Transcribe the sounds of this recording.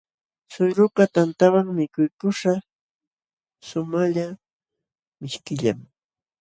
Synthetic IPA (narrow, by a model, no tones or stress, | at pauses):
sʊjɾʊkat̪ant̪awaŋmɪkʊjkʊʃa | sʊmaʎa | mɪʃkɪʎa̰m